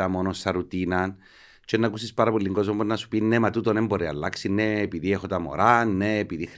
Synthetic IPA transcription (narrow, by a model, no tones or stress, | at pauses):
ɐmo̞nosɐɾut̪inɐn | t͡ʃenːɐkusispaɾɐpolːiŋɡozmɐmonːɐsu̥pinːemat̪ut̪onemboɾeɐ̰lːaksinːeːpiðiexot̪ɐmo̰ɾanːeːpiðixɾ